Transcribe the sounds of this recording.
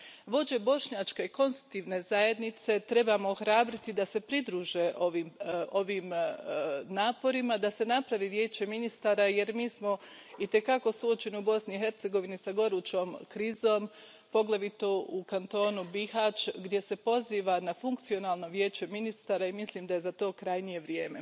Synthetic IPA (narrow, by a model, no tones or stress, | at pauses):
ʋo̞d͡ʑe̞bo̞ʃɲat͡ʃkeiko̞nst̪u̥t̪iːʋne̞zaje̞d̪nit̪se̞t̪ɾe̞baːmo̞ːxɾaːbɾit̪id̪ase̞pɾid̪ɾuːʒe̞ʔo̞ʋiːmʔo̞ʋiːm | naːpo̞ɾimad̪ase̞napɾaʋiːʋje̞ːt͡ɕe̞minist̪aːɾaje̞ɾmiːsmo̞ | it̪e̞kako̞suot͡ʃe̞niubo̞sniixe̞ɾt̪se̞ɡo̞ʋinisaɡo̞ɾuːt͡ʃo̞ːmkɾiːzo̞ːm | po̞ɡlˠaʋit̪oukant̪o̞ːnubihaːt͡ʃɡd̪je̞se̞po̞ziːʋanafuŋkt̪sio̞naːlˠno̞ʋje̞ːt͡ɕe̞minist̪aːɾaimisliːmd̪aje̞zat̪o̞ːkɾajnije̞ʋɾjeːme̞